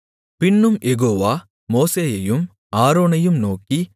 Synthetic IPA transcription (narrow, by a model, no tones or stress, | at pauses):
pɪɳːɯmjɛɣoːʋaː | moːseːjɐjɯm | aːɾoːnɐjɯmnoːki